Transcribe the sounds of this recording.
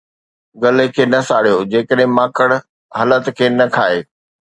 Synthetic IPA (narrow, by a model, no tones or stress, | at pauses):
ɡɐlekʰeːnɐsaːɽijod͡ʑeːkəɗɦɪ̃mãːkəɽ | ɦəːlət̪kʰeːnɐkʰaːeː